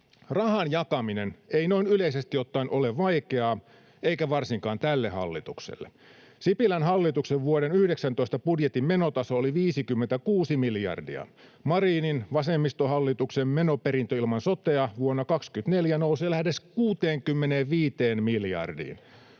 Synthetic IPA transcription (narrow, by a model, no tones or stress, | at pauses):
rɑhɑnjɑkɑmineneino̞inyleisest̪jot̪ːɑinʔoleʋʋɑijkeɑː | eikæʋɑrsiŋkɑːnt̪ælːehɑ̰lːit̪uksḛlːḛ | sipilænhɑlːit̪ukseʋʋuoɾenyhdeksænt̪oist̪ɑpudjet̪immenot̪ɑsooliʋiːsikymːent̪ækuːsimiljɑ̰rdḭɑ̰mɑriːninʋɑsemːist̪ohɑlːit̪uksemmenopeɾint̪øilmɑnsot̪eɑʋuonːɑkɑkskyt̪neljænouseːlæhdeskuːt̪eːŋkymːeneːʋʋiːt̪eːnmiljɑ̰rdḭːn